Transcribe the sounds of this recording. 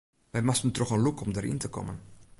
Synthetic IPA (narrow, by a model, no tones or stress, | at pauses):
ʋɛjmastəntrɔχənlukɔmdəɾḭntəkɔ̰mən